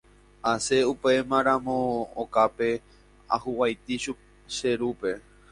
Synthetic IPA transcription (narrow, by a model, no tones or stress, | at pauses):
ase̞upe̞mãɾãmõokape̞ | a̰huwajt̪iʃu | ʃeɾupe̞